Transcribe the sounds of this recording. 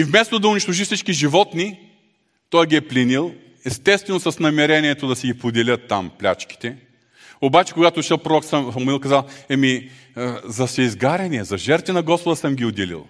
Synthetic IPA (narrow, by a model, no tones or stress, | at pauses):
ivmɛst̪od̪ɐʊniʃt̪oʒifsit͡ʃkiʒivɔt̪ni | t̪ɔjɡʲiɛplʲɛnilˠ | ɛst̪ɛst̪vɛnosɐsnɐmɛɾɛniɛt̪od̪ɐsɛɡipod̪ɛlʲət̪ːa̰mplʲa̰t͡ʃki̥t̪ɛ | obat͡ʃɛ̥koɡat̪oʃɛlˠpɾoɾɔksɐsɐmʊilˠkɐzalˠɛmi | zɐsɛizɡaɾɛniɛzɐʒɛɾt̪vinɐɡɔspod̪əsɐmɡʲiod̪ɛlḭlˠ